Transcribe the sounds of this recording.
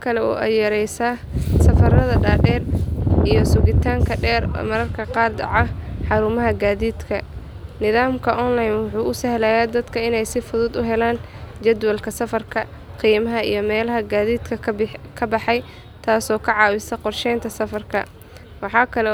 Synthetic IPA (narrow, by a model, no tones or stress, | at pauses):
kʰɐlɛɔ̰ːʔɐjɐɾɛjsaː | sɐfɐɾɐðɐɖaːɖɛːrʔijɔsʊɣɪt̪ʰaːŋkʰɐɖɛːr̰mɐɾɐrkʰɐqɑːrd̪ɑ̰ʕɑħɑɾʊmɐɦɐɡaːðiːd̪kʰɐ | nɪðaːmkʰɐʔɔːnlajnwʊħuːʊsɐhlaːjaːd̪ɐd̪kʰɐɪnɛjsɪfʊðʊd̪ʊɦɛlaːnd͡ʒɐd̪wɐlkʰɐsɐfɐrkʰɐ | qiːmɐɦɐḭjɞmɛːlɐɦɐɡaːðiːd̪kʰɐkʰɐbɑħɑj | t̪ʰaːsɔːkʰɐʕɑːwɪsɐqɔrʃɛjnt̪ʰɐsɐfɐrkʰɐ | wɑħɑːkʰɐlɛ